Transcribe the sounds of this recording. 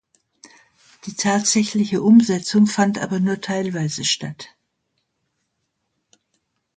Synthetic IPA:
d̥iːtʰaːtz̥ɛçlɪçəʔʊmzɛt͡sʊŋfantʔa̰ːbɐnuːɐtʰaɪlvaɪzəʃtat

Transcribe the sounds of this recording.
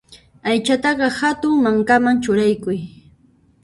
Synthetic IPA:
ajt͡ʃat̪ɑɢɑhat̪ʊŋmaŋkamaŋt͡ʃʊɾajkʊj

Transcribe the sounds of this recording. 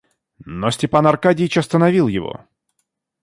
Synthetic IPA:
nosʲtʲɪpanɐrkadʲɪjt͡ɕɐst̪ənɐvʲilˠjɪvo̰

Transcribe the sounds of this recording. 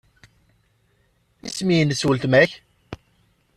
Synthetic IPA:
ismijənsult̪mæç

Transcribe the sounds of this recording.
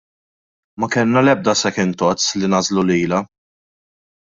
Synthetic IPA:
mɐkɛlnɐlɛb̚d̪ɐsɛkɪnt̪ɔt͡slinɐzluliːlɐ

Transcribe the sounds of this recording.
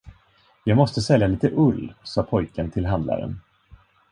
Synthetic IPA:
jɑːɡmɔst̪əsɛljaliːt̪əʔɵlːsɑːpʰɔjkənt̪ʰɪlɦand̪la̰ɾə̰n

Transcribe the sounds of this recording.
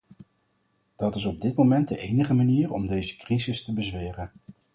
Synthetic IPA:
d̥ɑtɪsɔb̚dɪtmomɛnd̚dəʔejnəχəmaniːrɔ̰mdejzəkrizɪstəbəzʋeːrən

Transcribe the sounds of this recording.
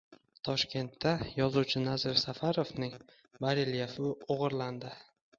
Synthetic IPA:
t̪ʰɒʃkʲe̞nt̪ʰːajɒzuwt͡ʃʰɪnazɪɾsafaɾovnɪŋ | baɾiljafɪoʁɨɾland̪ɪ

